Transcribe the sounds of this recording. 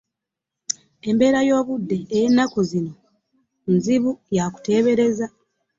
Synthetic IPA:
e̞mbe̞ːɾajo̞ːβudːe̞ːje̞nːakuzino̞ | nziβujaku̥te̞ːβe̞ɾe̞za

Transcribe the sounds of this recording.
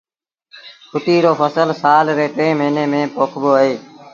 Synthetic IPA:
kʰʊʈ̪iːɾoːfəsəlsaːlɾeːʈẽːməːneːmẽːpoːkʰboːɦeː

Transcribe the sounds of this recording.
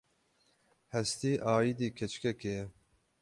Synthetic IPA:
hɛst̪iːʔaːid̪iːkʰɛt͡ʃkɛke

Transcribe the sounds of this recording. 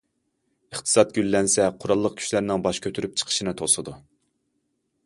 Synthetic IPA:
əχt̪ʰɨ̥sɑt̪̚ɡʲylːɛnsɛqʰʊɾɑlˠːəq̚kʲʰy̥ʃlæɾnɪŋbɑʃkʲʰøt̪ʰyɾyp̚t͡ʃʰə̥qʰə̥ʃinɨt̪ʰosɨd̪u

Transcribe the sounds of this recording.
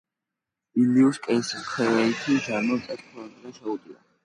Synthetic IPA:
iliuskʼɛiskʰɛɛit̪ʰiʒanɔt̪ʼɛt̪kʰɛand̪ɾɛʃɛud̪ia̰

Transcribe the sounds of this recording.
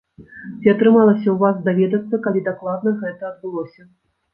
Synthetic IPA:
t͡sʲiat̪ɾɨmalˠɐsʲɐwvasd̪avʲɛd̪ɐt̪sːɐkalʲid̪aklˠad̪nɐɣɛt̪ɐːd̪̚bɨlˠɔsʲɐ

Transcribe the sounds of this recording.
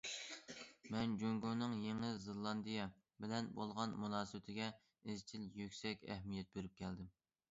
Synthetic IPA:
mɛnd͡ʒøŋɡonɨŋjeŋɪzelˠːɑnd̪ijɛ | bɪlɛnbolˠʁɑnmunɑːsɨbɪt̪ʰɪɡʲɛ | ɪzt͡ʃʰiljykʲsɛkʲɛ̰hmijɛt̪̚beɾyp̚kʲʰɛld̪ɪm

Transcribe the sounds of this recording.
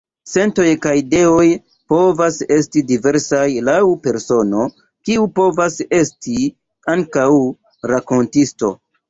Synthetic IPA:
se̞nto̞jkajide̞o̞j | po̞vase̞stidive̞ɾsajlawpe̞ɾso̞no̞ | kiupo̞vase̞sti | aŋkaw | ɾako̞ntisto̞̰

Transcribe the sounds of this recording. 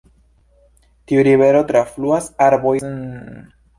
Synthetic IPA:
tiuɾiβe̞ɾotɾafluasaɾbo̞j

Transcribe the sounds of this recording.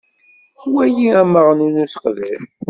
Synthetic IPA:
wæjiæməʁnunuθə̥qðæm

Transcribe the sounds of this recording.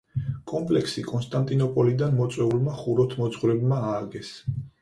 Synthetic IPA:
kʼɔmpʼlɛkʰsikʼɔnst̪ʼant̪ʼinɔpʼɔlid̪anmɔt̪sʼwɛulmaχuɾɔt̪ʰmɔt̪sχwɾɛbmaaːɡɛs

